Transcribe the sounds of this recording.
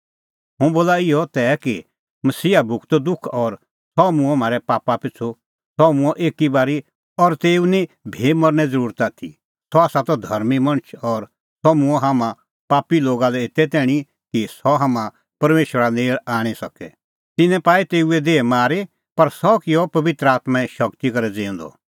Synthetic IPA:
ɦʊ̃boːlaɪɔt̪ɛːki | mɐsiːabʱʊkt̪d̪ʊkʰɔɾ | sɔmũmaːɾɛpaːpapɪt͡sʰu | sɔmũɔʔeːkibaːɾi | ɔɾt̪eːunĩbʱeːmɔɾnɛd͡zɐɾuːɾt̪at̪ʰḭ | sɔaːsat̪ɔd̪ʱɐɾmimɐ̃ñt͡ʃʰɔːɾ | sɔmũɔɦamã | paːpiloːɡalɛɪt̪ɛt̪ɛːɽ̃i | kisɔɦamã | pɐɾmeːʃʋəɾaneːɭaːɽ̃isɐkɛ | t̪ɪnɛ̃paːit̪eːuɛd̪eːmaːɾe | pɐɾsɔkɪjɔpɐʋɪt̪ɾəaːt̪maɛʃɐkt̪ikɐɾɛd͡zẽːɔ̃nd̪ɔ̰

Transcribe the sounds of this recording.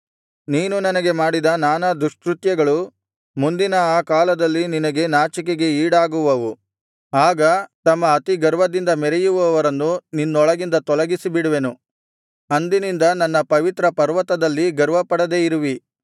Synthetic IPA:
niːnunɐnɐɡe̞maːɽid̪ɐnaːnɐd̪ɾuʂkɾut̪jɐɡɐɭu | mund̪inɐaːkaːlɐd̪ɐlːininɐɡe̞naːt͡ʃik̬eɡe̞iːɽaːɡuʋɐʋu | aːɡɐt̪ɐmːɐːt̪iɡɐɾʋɐd̪ind̪ɐmɛɾɛjuʋuɐʋɐɾɐnːuninːuɔɭɐɡind̪ɐt̪ɔlɐɡisibiɽuʋe̞nu | ɐnd̪inind̪ɐnɐnːɐpɐʋit̪ɾɐpɐɾʋɐt̪ɐd̪ɐlːiɡɐɾʋɐpɐɽɐd̪e̞ːiɾuʋi

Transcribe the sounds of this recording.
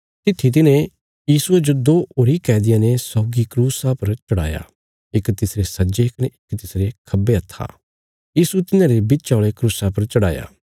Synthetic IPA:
t̪ɪt̪ʰːit̪̬ɪnẽ | jiːsued͡ʒod̪oːoːɾikɛːd̪ɪjãnesɔːɡikɾuːsapɐɾt͡ʃɐɽa̰ːja̰ | ɪkt̪ɪsɾesɐd͡ʒeɪkneɪkt̪ɪsɾekʰɐbːeɐt̪ʰːa̰ː | jiːsut̪ɪnãːɾebɪt͡ʃaːɭekɾuːsapɐɾt͡ʃɐɽaːja̰ː

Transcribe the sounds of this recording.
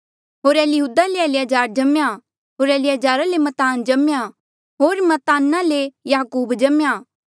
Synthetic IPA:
ɦoːɾeːljɦuːd̪aleɛːlɪjaːd͡ʒaːɾd͡ʒɐmja | ɦoːɾɛːlɪjaːd͡ʒaːɾalemɐt̪aːnd͡ʒɐmja | ɦoːɾmɐt̪aːnãlejaːkuːbd͡ʒɐmja

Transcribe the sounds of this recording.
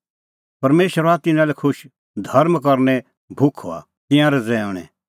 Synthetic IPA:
pɐɾmeːʃəɾoat̪ɪnãlɛkʰʊʃ | d̪ʱɐɾmkɐɾnɛ | bʱʊkʰo̰a̰ | t̪ɪ̃jãɾɛd͡zɛːɔ̃ɽ̃ɛ̰

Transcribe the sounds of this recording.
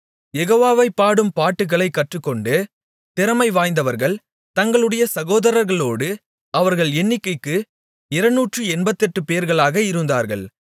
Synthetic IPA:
jɛɣoːʋaːʋɐɪpːaːɽɯmpaːʈːɯɣɐɭɐɪkːɐʈrɯkːɔɳɖɯ | t̪ɪɾɐmɐɪʋaːjnd̪ɐʋɐɾɣɐɭ | t̪ɐŋɡɐɭɯɽɐjɐsɐɣoːðɐɾɐɾɣɐɭoːɽɯ | ɐʋɐɾɣɐɭɛɳːɪkːɐɪkːɯ | ɪɾɐnːuːʈrɯɛnbɐt̪ːɛʈːɯpejɐɾɣɐɭaːɣɐɪɾɯnd̪a̰ːɾɣɐ̰ɭ

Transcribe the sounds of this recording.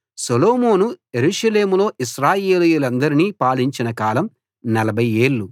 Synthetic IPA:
sɐloːmoːnujeɾuʂɐle̞ːmulo̞ːʔiʃɾaːjeːlujulɐnd̪ɐɾiniːpaːliɲt͡ʃinɐkaːlɐm | nɐlɐbʱɐje̞ːɭːu

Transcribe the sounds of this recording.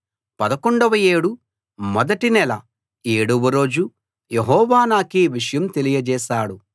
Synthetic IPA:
pɐd̪ɐkoɳɖɐʋɐje̞ːɽu | mɔd̪ɐʈinɛlɐ | eːɽuʋɐɾo̞ːd͡ʒu | jeɦɔːʋaːnaːkiʋiʂɐjɐmt̪e̞lijɐd͡ʒɛːʃaːɽu

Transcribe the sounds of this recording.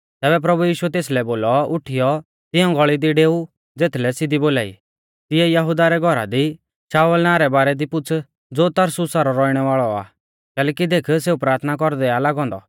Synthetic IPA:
t̪ɛːbɛp̬ɾɐbujiːʃuɛt̪eːslɛboːlɔʊʈʰijɔ | t̪ɪɔ̃ɡɔɭid̪iɖeːu | d͡zeːt̪ʰlɛsɪd̪iboːlaːḭ | t̪ɪɛjɐɦʊd̪aɾɛɡʱɔɾa̰d̪i | ʃaːʋəlnaːɾɛbaːɾɛd̪ipʊt͡sʰ | d͡zoːt̪ɐɾsʊsaɾɔɾɔiɽ̃ɛʋaːɭɔa̰ː | kɛːlɛːkid̪eːkʰseːupɾaːɾt̪ʰnak̬ɔɾd̪ɛalaːɡɔ̃ːnd̪ɔ̰

